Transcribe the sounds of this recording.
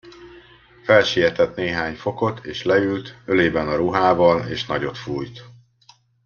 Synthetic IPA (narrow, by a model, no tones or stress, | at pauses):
fɛlʃijɛt̪ɛt̪neːɦaːɲfo̞ko̞t̪ʰeːʃlɛylt̪øleːbɛnɒɾuɦaːvɒleːʃnɒɟo̞t̪fuːjt̪